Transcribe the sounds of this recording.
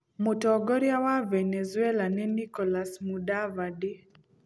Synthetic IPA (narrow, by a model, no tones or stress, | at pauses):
mʊtɔɡɔɾjawavɛnezuɛlanɛnikɔlasmudavadi